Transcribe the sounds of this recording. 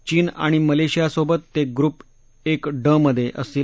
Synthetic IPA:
t͡ɕiːna̰ɽ̃iməleɕijasobət̪ːeɡɾup | ekɖəməd̪ʱːjeʔəsiː

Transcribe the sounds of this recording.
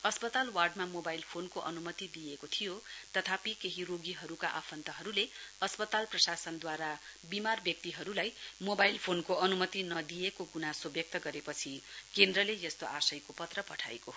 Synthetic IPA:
ʌspʌt̪alwarɖmamobajlpʰonkoʔʌ̰numʌt̪id̪ijekot̪ʰijot̪ʌt̪ʰapikeɦiroɡiɦʌɾukaʔapʰʌnt̪ʌɦʌɾuleʌspʌt̪alprʌsasʌnd̪waɾabimarbjʌk̚t̪iɦʌɾulajmobajlpʰonkoʌnumʌt̪inʌd̪ijekoɡunasobjʌk̚t̪ʌɡʌɾepʌt͡sʰikend̪rʌlejʌst̪oʔasʌjkopʌt̪rʌpʌʈʰa̰eko

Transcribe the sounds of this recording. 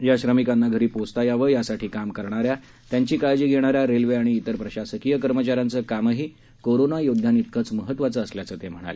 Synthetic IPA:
jaɕɾəmikanːaɡʱəɾiːpost̪ajaʋəjasaʈʰiːkamkəɾɳ̃aɾja | t̪jaɲt͡ɕiːkajd͡ʑiːɡʱeɽ̃aɾjaɾelʋeaɽ̃iːt̪əɾpɾəɕasəkijəkəɾmət͡ɕaɾjant͡səːkaməɦiː | koɾonajod̪ʱjanit̪̚kʰət͡sməɦət̪ːʋat͡səːsljat͡səːt̪em̤əɽ̃a̰le

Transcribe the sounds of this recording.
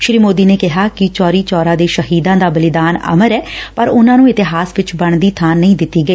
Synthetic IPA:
ʃɾiːmoːd̪iːneːkɪɦaːkɪt͡ʃɔːɾiːt͡ʃɔːɾãːd̪eːʃəɦiːd̪ãːd̪aːbəlɪd̪aːnə̰məɾɛːpəɾʊnãːnũːɪt̪ɪɦaːsʋɪt͡ʃbəɳd̪iːt̪ʰaːnːəĩːd̪ɪt̪ːiːɡəiː

